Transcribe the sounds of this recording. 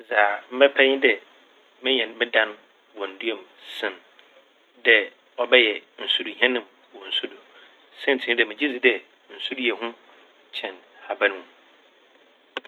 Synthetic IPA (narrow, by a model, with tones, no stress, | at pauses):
zaː˨m̩˦bɛ˦pʰɛ˦ɲɪ̃˦dɛ˨ | mɪ̃˦ɲɛ̃˨n˦mɪ̃˦dã˦n | wɔ̃˨n̩˨du˦o˦˨m | sɪ̃˨n | dɛ˨ | ɔ˨bɛ˦jɛ˨n̩˨su˨dɦɛ̃˦nɪ̃˨m | wɔ̃˨n̩˨su˦do˨ | sɛ̃˦n˨tʰɪ̃˨˦dɛ˨mɪ̃˨d͡ʑi˦d͡zɪ˨dɛ˨ | n̩˨su˦djɛ˨ɦʊ̃˦ | t͡ɕʰɛ̃˨nha˨bã˦ñ˦ũ˨